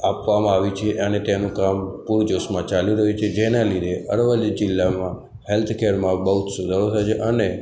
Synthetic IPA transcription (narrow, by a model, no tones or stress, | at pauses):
apʋamãaʋit͡ʃʰeʔənet̪anũkampuɾd͡ʒoʃmãt͡ʃaliɾəɦũt͡ʃʰed͡ʒenalid̪ʱeʔəɾʋəljd͡ʒɪlːamã | helt̪ʰkʰeɾmãbəɦut̪ʰsud̪ʱaɾot̪ʰat͡ʃʰeʔəne